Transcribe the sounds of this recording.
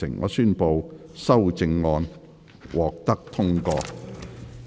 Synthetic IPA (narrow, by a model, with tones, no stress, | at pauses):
ɪ̰˨˩ŋŋʔɔ̰ː˨˧syː˥npo˨˧wsɐ˥wt͡sɪ˧ŋːɔː˧n | wʔɔː˨k̚t̪ɐ˥k̚t̪ʰʊ˥ŋkɔː˧